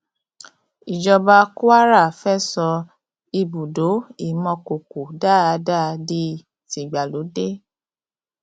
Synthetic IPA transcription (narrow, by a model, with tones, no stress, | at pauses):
i˨d͡ʒɔ˧ba˧ku˦a˦ɾa˦˨fɛ˦˨sɔ˧ | i˧bu˨do˨˦i˦˨˦mɔ̃˧ko˨ku˨daː˦˨˧da˦˨˧di˦ | ti˨ɡ͡ba˨lo˨˦de˦